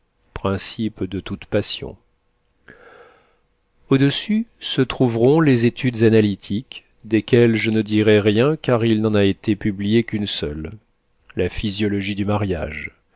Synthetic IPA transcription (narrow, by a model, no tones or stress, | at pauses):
pχɛ̃sipd̪ət̪ut̪pasjɔ̰̃ | od̪əsysət̪χuvʁɔ̃lezet̪ʰyd̪zanalit̪ʰik | d̪ekʲɛlʒənəd̪iʁɛʁjɛ̃kaʁilnɑ̃naet̪epyblijekʲynsœlː | afizjɔlɔʒid̪ymaʁja̰ʒ